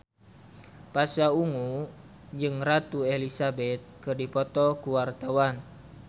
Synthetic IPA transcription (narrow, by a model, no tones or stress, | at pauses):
pasauŋu | d͡ʒɨŋrat̪uelisabɛt̪̚kɨrdipɔt̪ɔkuwart̪awan